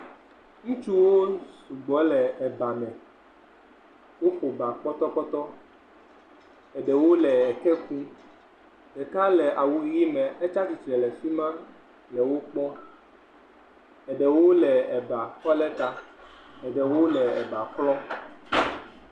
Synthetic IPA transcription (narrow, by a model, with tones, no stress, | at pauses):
ŋũ˦t͡ʃu˦wo˦su˨ɡ͡bɔ˨˦lɛ˨ɛ˨ba˨mɛ̃˨ | wo˦ɸo˨ba˨k͡pɔ˦t̪ɔ˦k͡pɔ˦t̪ɔ˦ | ɛ˨ɖɛ˨wo˦lɛ˨ɛ˨kɛ˦kũ˦ | ɖɛ˨ka˦lɛ˨ʔa˨wu˨ji˦mɛ̃˨ɛ˦t͡ʃa˦si˨t̪ɾɛ˨lɛ˨fi˦mã˦ | lɛ˨wo˦k͡pɔ˦ | ɛ˨ɖɛ˨wo˦lɛ˨ɛ˨ba˨kɔ˦lɛ˦t̪a˦ɛ˨ɖɛ˨wo˦lɛ˨ɛ˨ba˨klɔ˦